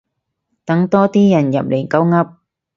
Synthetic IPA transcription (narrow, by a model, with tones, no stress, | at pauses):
t̪ɐ˨˥ŋt̪ɔː˥t̪iː˥jɐ˨˩njɐ̰˨p̚le˨˩ŋkɐ˨˥wŋɐ˧˥p̚